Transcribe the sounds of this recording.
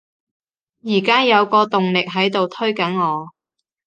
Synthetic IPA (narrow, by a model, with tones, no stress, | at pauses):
jiː˨˩kaː˥jɐ˨˧wkɔː˧t̪ʊ˨ŋlɪ˨k̚ɦɐ˨˥jt̪o˨wt̪ʰɵ˥ɥkɐ˨˥nŋɔː˨˧